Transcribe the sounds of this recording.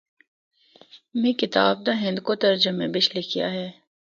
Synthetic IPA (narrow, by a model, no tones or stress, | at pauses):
mẽkɪt̪aːb̚d̪aɦɪ̃nd̪kot̪ɐɾd͡ʒəmẽbɪt͡ʃlekʰija̰ɦɛː